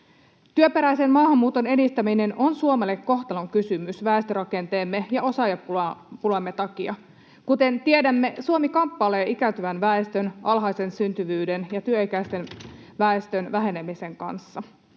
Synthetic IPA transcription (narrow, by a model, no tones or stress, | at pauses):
t̪yøpe̞ɾæjse̞nmɑːhɑmːuːt̪o̞ne̞dist̪æmine̞no̞nsuomelːekːo̞xt̪ɑloŋkysymysʋæˑest̪ørɑke̞nt̪eːmːe̞jɑo̞sɑjɑpupulemːe̞t̪ɑkiɑ | kut̪e̞nt̪iedæmːe̞suomikɑmpːɑleːikæt̪yʋænʋæest̪ønɑlɦɑjse̞nsynt̪yʋyːdenjɑt̪yøikæist̪e̞n | ʋæest̪ønʋæɦe̞nemise̞ŋkɑ̰nsːɑ